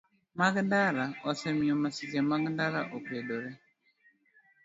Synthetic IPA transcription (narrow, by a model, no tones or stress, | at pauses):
maɡndaɾaɔsɛmiɔmasizɛmaɡndaɾaʔɔpɛdɔɾɛ